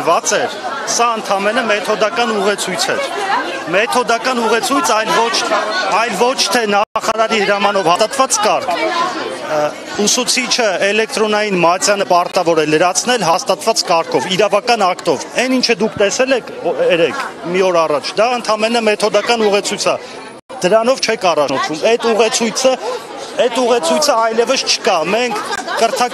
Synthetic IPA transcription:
vɑt͡sɛɾ | sɑənt̪ʰɑmɛnəmɛt̪ʰɔd̪ɑkɑnuʁɛt͡sʰujt͡sʰɛ̰ɾ | mɛt̪ʰɔd̪ɑkɑnuʁɛt͡sʰujt͡sʰɑjlvɔt͡ʃʰɑjlvɔt͡ʃʰt̪ʰɛnɑχɑɾɑɾihəɾɑmɑnɔvhɑst̪ɑt̪vɑt͡skɑɾkʰ | usut͡sʰit͡ʃʰəɛlɛk̚t̪ɾɔnɑjinmɑt͡sjɑnəpɑɾt̪ɑvɔɾɛləɾɑt͡sʰnɛlɦɑst̪ɑt̪vɑt͡skɑɾkʰɔviɾɑvɑkɑnɑkt̪ɔvɛnint͡ʃʰəd̪ukʰt̪ɛsɛlɛkʰɛɾɛkʰmiɔɾɑrɑt͡ʃʰd̪ɑənt̪ʰɑmɛnəmɛt̪ʰɔd̪ɑkɑnuʁɛt͡sʰujt͡sʰə | d̪̥əɾɑnɔvt͡ʃʰɛkʰɑrɑnɔt͡s̪ʰvumɛt̪uʁɛt͡sʰujt͡sʰə | ɛt̪uʁɛt͡sʰujt͡sʰəɑjlɛvəst͡ʃʰə̥kɑmɛŋkʰkəɾt̪ʰɑ

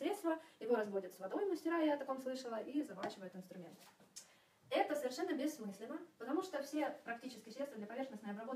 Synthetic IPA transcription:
ɾʲe̞t̪st̪vəjɪvo̞ɾɐzbo̞dʲɪt̪svɐd̪o̞jməsʲtʲɪɾajat̪ɐko̞mslˠɨʂəlˠəʔizɐvat͡ɕɪvəjɪt̪ɪnst̪ɾʊmʲe̞nt̪ | ɛt̪əsəvʲɪrʂɛnːəbʲɪsːmɨsʲlʲɪnəpət̪ɐmuʂt̪ofsʲe̞pɾɐktʲit͡ɕɪskʲɪsɾʲet̪svəd̪lʲɐpɐvʲe̞rxnəsnəjəɐbɾɐbo

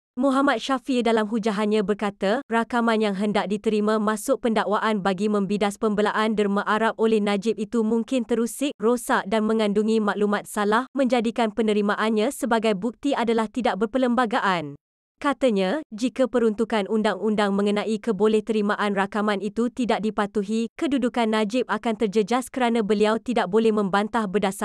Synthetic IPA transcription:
muɦamat̪̚ʃafidalamɦud͡ʒaɦanɲãbərkat̪arakamanjaŋɦəndaʔ̚dit̪əɾimãmãsʊk̚pəndaʔwaʔanbaɡimə̃mbidaspəmbəlaʔandərmaʔaɾap̚olɛhnad͡ʒɪp̚it̪umuŋkɪnt̪əɾusɪk̚rosaʔdanmə̃ŋanduŋĩmaʔlumat̪̚salahmə̃ɲd͡ʒadikanpənə̃ɾimaʔanɲãsəbaɡajbuk̚t̪iadalaht̪idaʔ̚bərpələmbaɡaʔan | kat̪aɲãd͡ʒikapəɾunt̪ukanʔundaŋundaŋmə̃ŋənãʔikəbolɛht̪əɾimaʔanrakamanit̪ut̪idaʔ̚dipat̪uɦikədudukanːad͡ʒɪp̚akant̪ərd͡ʒəd͡ʒaskəɾanãbəliawt̪idaʔ̚bolɛhmə̃mbant̪ahbərdasa

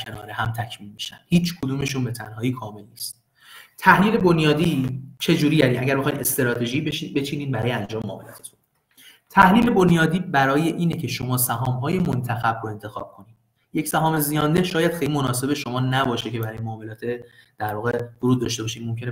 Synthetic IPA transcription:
kʰenɒːɾehæmt̪ʰæcʰmiːnmiʃæ̰nd̪hiːt͡ʃʰkʰod̪uːme̞ʃunbe̞t̪ʰænɦɒːiːkʰɒːme̞lniːst̪̚ | t̪ʰæhliːle̞bonjɒːd̪iːt͡ʃʰe̞d͡ʒuːɾiːd̪æɾiːmʔæ̰ɟæɾbe̞xːjd̪est̪eɾɒːt̪ʰe̞ʒiːbeibe̞t͡ʃʰiːniːd̪bæɾɒːjeænd͡ʒɒːmemoɒ̰ːmelɒ̰ːt̪ʰet̪ʰu̥ | t̪ʰæhliːle̞bonjɒːd̪iːbæɾɒːje̞ʔiːnecʰe̞ʃo̞mɒːsæɦɒːmɦɒːje̞mont̪ʰæxæbroe̞nt̪ʰe̞xɒ̰ːb̥̚kʰo̞niːd̪ | je̞csæɦɒːme̞zijɒːnd̪e̞hʃɒːjæd̪xejlimo̞nɒːse̞be̞ʃo̞mɒːnæbɒːʃe̞cʰe̞bæɾɒːjemoːmelɒːt̪ʰed̪̥æɾvɒːɣev̥oɾuːd̪̚ːɒːʃt̪ebɒːʃiːnmomcʰe̞ne

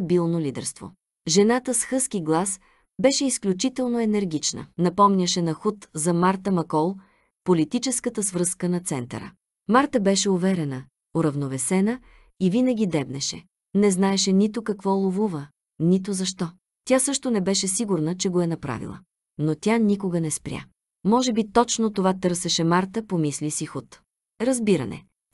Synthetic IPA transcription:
bilˠnolid̪ɛ̰ɾst̪vo̰ | ʒɛnat̪əsxɤsk̟iɡlˠas | bɛʃɛisklʲut͡ʃit̪ɛlˠnoɛnɛɾɡʲit͡ʃnə̰nɐpɔmnʲəʃɛnɐxut̪zɐmaɾt̪əmɐkɔlˠ | polit̪it͡ʃɛskət̪əsvɾɤskənɐt̪sɛnt̪ɐ̰ɾə̰ | maɾt̪əbɛʃɛovɛɾɛnə | ʊɾɐvnovɛsɛnə | ivinəɡʲid̪ɛbnɛʃɛ̰ | nɛznaɛʃɛnit̪okɐkvɔlˠovuvə | nit̪ozɐʃt̪ɔ | t̪ʲasɤʃt̪onɛbɛʃɛsiɡʊɾnət͡ʃɛɡoɛnɐpɾa̰vḭlˠə̰ | not̪ʲanikoɡənɛspɾʲja̰ | mɔʒɛbit̪ɔt͡ʃnot̪ovat̪ɤɾsɛʃɛmaɾt̪əpomislisixut̪ | ɾɐzbiɾɐ̰nɛ̰

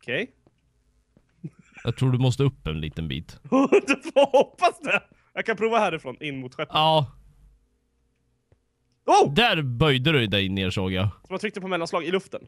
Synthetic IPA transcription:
ɔkʰɛj | jɑ̰ːt̪ʰɾuːɖɵmɔst̪əɵpːɛnlḭːt̪ənbḭːt̪ | vhɔpːasd̪ɛ | jɑɡkʰanpʰɾuːvahæːɾɪfɾoːnɪnːmʊt̪ɧɛpɑː | ud̪æɾbœjd̪əɾɵd̪ɛjneːʂoːɡjasɔmant̪ɾʏkt̪əpʰɔmɛlːanslɑːɡɪlɵft̪ən

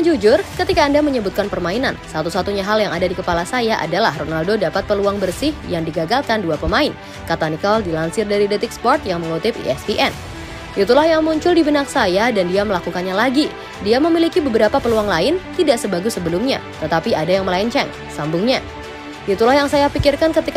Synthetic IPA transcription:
d͡ʒud͡ʒʊrkət̪ikaːndaməɲəbut̪̚kanpərmainansat̪usat̪uɲaɦaljaŋadadikəpalasajaʔa̰dalahronaldodapat̪̚pəluaŋbərsɪhjaŋdiɡaɡalkanduapəmaɪn | kat̪anikaɔldilansɪrdaɾidɛt̪ɪk̚spɔrt̪jaŋməŋut̪ɪpḭɛ̰sbiʔɛn | ʔit̪ulahjaŋmuɲt͡ʃʊldibənak̚sajadandiaməlakukanɲalaɡi | diaməmilikibəbəɾapapəluaŋlaɪnt̪idaʔsəbaɡusəbəlumɲa̰t̪ət̪apiadajaŋməlaɲt͡ʃɛŋ | sambʊŋɲa | ʔit̪ulahjaŋsajapikɪrkankət̪ik

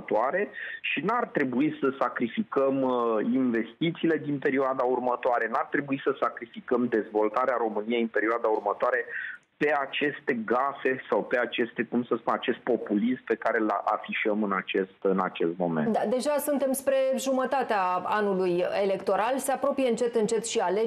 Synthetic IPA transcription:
ət̪oaɾe̞ʃinart̪ɾe̞buisəsakɾifikəminve̞st̪it̪siːle̞d̪inpe̞ɾioad̪aurmət̪oaɾe̞nart̪ɾe̞buisəsakɾifikəmd̪e̞zvo̞lt̪aɾeaɾo̞mɨnije̞jɨnpe̞ɾioad̪aurmət̪oaɾe̞pe̞at͡ʃe̞st̪e̞ɡase̞sawpe̞at͡ʃe̞st̪e̞kumsəspunat͡ʃe̞st̪̚po̞pulismpe̞kaɾelʔa̰fiʃəmɨnat͡ʃe̞st̪ɨna̰t͡ʃe̞̰st̪mo̞̰menad̪e̞ʒasunt̪e̞mspɾe̞ʒumət̪at̪eaanulujele̞kt̪o̞ɾalseapɾo̞pijeɨnt͡ʃe̞t̪ɨnt͡ʃe̞t̪ʃiale

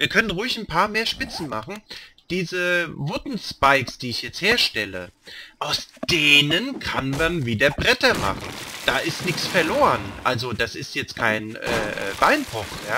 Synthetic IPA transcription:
viːɐkʰœnənʁʊʊɪçn̩pʰaːɐmeːɐʃpɪt͡sn̩maχn̩d̥iːzəvʊtn̩spaɪksd̥iːɪçjɛt͡stheːɐʃtɛlə̰ʔaʊsd̥eːnənkʰa̰nmanviːdɐbʁɛtɐma̰χn̩d̥aːʔɪstnɪçt͡sfɛɐloːʁənʔa̰lzod̥asɪstjɛt͡st̚kʰaɪnʔɛ̰ːʔɛ̰ːb̥aɪnpʰɔχjaː

